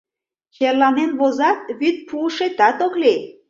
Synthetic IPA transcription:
xerlɑnenβozɑt̪̚βyt̪̚pʰuʃet̪ɑt̪okle

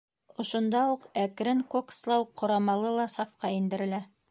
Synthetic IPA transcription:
ŏʃŏnd̪ɑuqækɾɘŋkokslˠɑwqʰːŏɾɑmɑlˠɤlˠɑsɑfqɑind̪ɘ̆ɾɘ̆læ

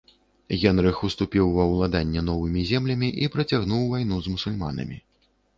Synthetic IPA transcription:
ɣʲɛnɾɨxust̪upʲiwːɐwlˠad̪anʲːɛnɔvɨmʲizʲɛmlʲɐmʲiʔipɾɐt͡sʲaɣn̪uwvajn̪uzmusulʲma̰nɐ̰mʲḭ

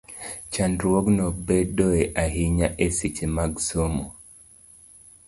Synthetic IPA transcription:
t͡ʃandɾwoɡnobedoeʔaɦiɲaʔesit͡ʃemaɡsomo

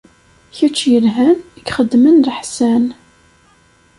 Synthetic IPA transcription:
çut͡ʃːjəlɦænəkχəd̪ːmənləħsæn

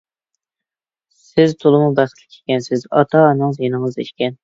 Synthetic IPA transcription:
sɪzt̪ʰolˠɨmubɛə̥lkʲʰɛ̥kʲɛnsɪzɑt̪ʰɑnɨŋzjenɨŋzd̪iʃkʲɛn

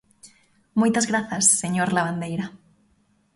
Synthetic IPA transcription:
mojt̪azɣɾaθasːeɲoɾlaβ̞and̪ejɾa

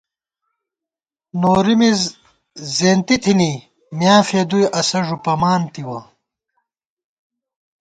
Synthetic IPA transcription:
noːɾimiz | zeːnt̪it̪ʰini | mjaːfeːd̪ujʔɐsɐʐupɐmaːnt̪iwɐ

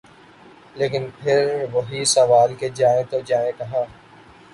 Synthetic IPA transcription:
leːkɪnpʰɪɾʋoɦisəʋaːlked͡ʒaːẽt̪od͡ʒaːẽkɐɦãː

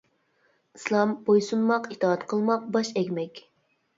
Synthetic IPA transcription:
islˠɑmbojsunmɑqit̪ʰɑːɑt̪qʰəlˠmɑq̚bɑʃɛkʲmɛkʲ

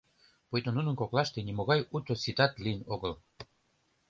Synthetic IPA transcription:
pojt̪onunə̆nkoklɑʃt̪enimoɣɑjut̪osit̪ɑt̪liənoɣəl

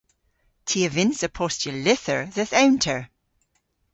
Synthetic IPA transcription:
tʰiəvɪnsəpʰɔstjəlɪθəɹðəθawntʰəɹ

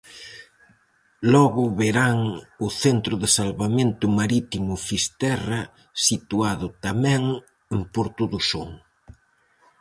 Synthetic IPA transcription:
lɔɣʊβeɾaŋʊθent̪ɾʊðɪsalβament̪ʊmaɾit̪imʊfist̪ɛrɐ | sit̪uaðʊt̪amɛ̃ŋ | empoɾt̪uðusoŋ

